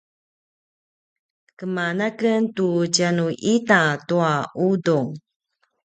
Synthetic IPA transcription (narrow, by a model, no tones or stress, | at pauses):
kəmanakəntud͡ʑanuʔitatuaʔuduŋ